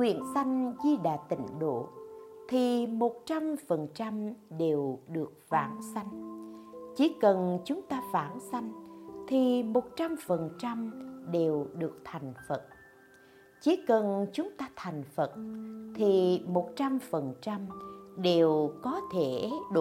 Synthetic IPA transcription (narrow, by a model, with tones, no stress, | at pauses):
kwḭ˧˨ənsa˧jŋ̟zi˧ɗa̰ː˧˩t̪ï˧˩ŋ̟ɗo̰˧˨t̪ʰi˨˩mo˨˩t̚t͡ɕa˧mfə˨˩nt͡ɕa˧mɗe˨˩wɗɨ˨˩ək̚vaː˧˩nsa˧jŋ̟ | t͡ɕi˨˦kə˨˩nt͡ɕʊ˨˦ŋ͡mt̪aː˧faː˧˩nsa˧jŋ̟t̪ʰi˨˩mo˨˩t̚t͡ɕa˧mfə˨˩nt͡ɕa˧mɗe˨˩wɗɨ˨˩ək̚t̪ʰa˨˩jŋ̟fə˨˩t̚ | t͡ɕi˨˦kə˨˩nt͡ɕʊ˨˦ŋ͡mt̪aː˧t̪ʰa˨˩jŋ̟fə˨˩t̚t̪ʰi˨˩mo˨˩t̚t͡ɕa˧mfə˨˩nt͡ɕa˧mɗe˨˩wkɔ˨˦t̪ʰe˧˩ɗo˧